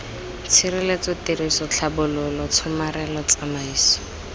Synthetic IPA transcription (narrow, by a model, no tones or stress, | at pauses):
t͡sʰirɪlet͡sɔterisɔt͡ɬʰabʊlʊlɔt͡sʰʊmarɛlɔt͡samaiːsɔ̥